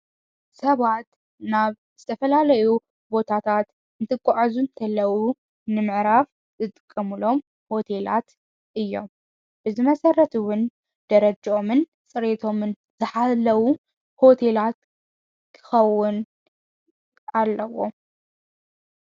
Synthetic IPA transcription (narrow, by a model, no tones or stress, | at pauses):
sɐβat̪ | naβ | z̥ɨt̪ʰɐfɐlalɐju | bo̞t̪ʰat̪ʰat̪ | ɨnt̪ʰɨkʼːaʕazunt̪ʰɐlːɐwu | nɨmɨʕɾaf | zɨt̪ʼɨkʼːɐmɨlo̞m | ho̞t̪ʰe̞la̰t̪ | ʔɨjːo̞m | b̥ɨzɨmɐsɐrːɐt̪ʰuwʊn | d̪̥ɐɾɐd͡ʒʔo̞mɨn | sʼɨɾet̪ʰo̞mɨn | zɨħalːɐwu | ho̞t̪ʰe̞lat̪̚ | kʰɨ̥xɐwːʊn | alːɐwo̞̰